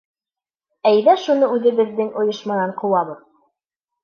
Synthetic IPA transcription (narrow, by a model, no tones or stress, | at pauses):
æjðæʃunɤʉðɘ̆bɘ̆ðːɘŋʔŏjɤ̆ʃmɑnɑɴqŭwɑβɤð